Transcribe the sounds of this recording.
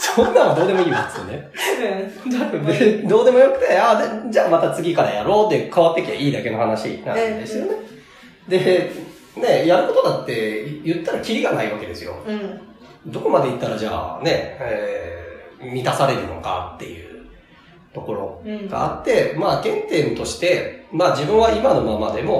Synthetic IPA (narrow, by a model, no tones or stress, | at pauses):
sõnːãɰ̃ad̪o̞ːd̪e̞mo̞iːasɨɨjo̰ne̞ | d̪ed̪o̞ːd̪e̞mo̞jo̞kɯ̟̥t̪eaːd̪ed͡ʑaːmat̪at͡sɨɡʲikaɾajaɾo̞ːt̪ːekaβat̪ːe̞kʲia̰ʔiːd̪ake̞no̞hanaɕḭna̰d̪e̞sɨjo̞ne̞ | d̪e̞ | ne̞jaɾɯ̟ko̞t̪o̞d̪at̪ːe̞jɯ̟t̪ːaɾakʲiɾʲiɡanaiβake̞d̪e̞sɨjo̞̰ | d̪o̞ko̞mad̪e̞it̪ːaɾad͡ʑa̰ːne̞e | mʲit̪asaɾe̞ɾɯ̟no̞ka̰t̪ːe̞̰jɯ̟̰ː | t̪o̞ko̞ɾo̞̰ɡ̥a̰ːt̪ːe̞maːɡẽ̞nt̪e̞ːmɯ̟t̪o̞ɕi̥t̪e̞maːd͡ʑibɯ̟̃ɰ̃βaimano̞mamad̪e̞mo̞